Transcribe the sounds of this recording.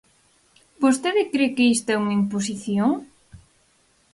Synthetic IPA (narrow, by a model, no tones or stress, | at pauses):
bost̪eðɪkɾekeist̪ɐɛuŋɐimpos̬iθjoŋ